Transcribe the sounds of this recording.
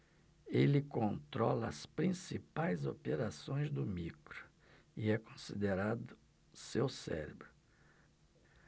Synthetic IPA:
elɪkõnt̪ɾɔ̰lɐɐspɾĩsipajzopeɾasõj̃zd̪ʊmikɾʊ̥ | iɛkõsid̪eɾad̪ʊ | sewsɛ̰ɾebɾʊ

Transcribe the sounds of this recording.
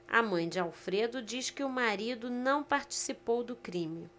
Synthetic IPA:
a̰mɐ̃j̃d͡ʒɪawfɾed̪ʊd͡ʒiskɪʊmaɾid̪ʊnɐ̃w̃paɾt͡ʃi̥sipowd̪ʊkɾĩmɪ

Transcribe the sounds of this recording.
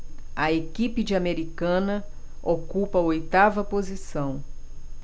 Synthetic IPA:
ɐekipɪd͡ʒɪameɾikɐ̃nɐ | okupɐojt̪avɐpozisɐ̃w̃

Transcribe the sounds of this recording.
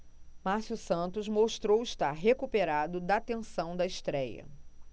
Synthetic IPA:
masjusɐ̃nt̪ʊzmoʃt̪ɾowɪʃt̪aɾɦekupeɾad̪ʊd̪ɐaːt̪ẽsɐ̃w̃d̪ɐɪʃt̪ɾɛjɐ̰

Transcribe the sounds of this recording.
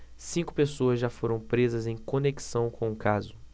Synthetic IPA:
sĩŋkʊ̥pesoɐzʒafoɾɐ̃w̃pɾezɐzẽj̃koneki̥sɐ̃w̃kʰõũkazʊ

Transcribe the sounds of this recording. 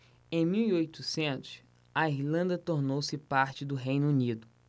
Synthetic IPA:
ẽj̃miwiojt̪ʊsẽnt̪ʊ̥s | ɐiɾlɐ̃nd̪ɐt̪oɾnowsɪpaɾt͡ʃɪd̪ʊɦejnʊunid̪ʊ

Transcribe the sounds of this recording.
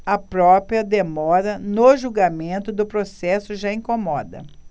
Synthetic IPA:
ɐpɾɔpɾiɐd̪emɔɾɐnoʒuɡamẽnt̪ʊd̪ʊpɾosɛsʊʒaĩkomɔd̪ɐ̰

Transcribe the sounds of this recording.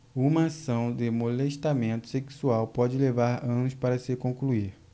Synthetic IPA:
ũmɐːsɐ̃w̃d̪ɪmoleʃt̪amẽnt̪ʊ̥seksuawpɔd͡ʒɪlevaɾɐ̃nʊspaɾɐsɪkõkluiɾ

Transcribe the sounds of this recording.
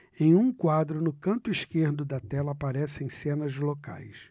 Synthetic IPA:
ẽj̃ũkwad̪ɾʊnʊkɐ̃nt̪ʊiʃkeɾd̪ʊd̪ɐt̪ɛlɐːpaɾɛsẽj̃sẽnɐzloka̰js

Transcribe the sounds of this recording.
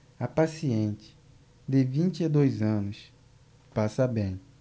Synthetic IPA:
apasiẽnt͡ʃɪ̥ | d̪ɪvĩnt͡ʃɪad̪ojzɐ̃nʊs | pasɐbẽj̃

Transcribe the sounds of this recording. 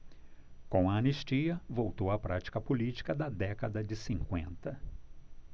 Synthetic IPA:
kõw̃ɐɐneʃt͡ʃiɐvowt̪owɐpɾat͡ʃi̥kɐpolit͡ʃi̥kɐd̪ɐd̪ɛkɐd̪ɐd͡ʒɪsĩŋkwḛ̃nt̪ɐ

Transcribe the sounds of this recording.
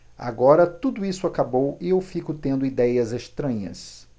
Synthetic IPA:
a̰ɡɔɾɐt̪ud̪ʊisʊakabowɪewfikʊt̪ẽnd̪ʊid̪ɛjɐzeʃt̪ɾɐ̃ɲɐ̰s

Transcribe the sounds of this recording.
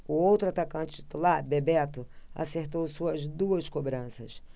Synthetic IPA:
ʊowt̪ɾʊat̪akɐ̃nt͡ʃɪt͡ʃi̥t̪ulaɾbebɛt̪ʊa̰seɾt̪owsuɐzd̪uɐskobɾɐ̃sɐs

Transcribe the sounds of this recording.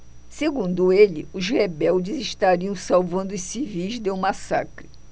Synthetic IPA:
seɡũnd̪ʊelɪ̰ʊzhebɛwd͡ʒɪzɪʃt̪aɾiɐ̃w̃sawvɐ̃nd̪ʊʊsivijzd̪ew̃masa̰kɾɪ

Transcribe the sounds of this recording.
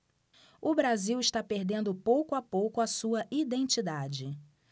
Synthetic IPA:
ʊbɾaziwɪʃt̪apeɾd̪ẽnd̪ʊpowkʊapowkʊɐsuɐʔid̪ẽnt͡ʃid̪ad͡ʒɪ

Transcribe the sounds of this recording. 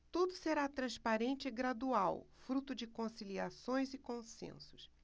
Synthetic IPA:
t̪ud̪ʊseɾat̪ɾɐ̃spaɾẽnt͡ʃɪɪɡɾad̪uawfɾut̪ʊd͡ʒɪkõsiliasõj̃zɪkõsḛ̃sʊ̥s

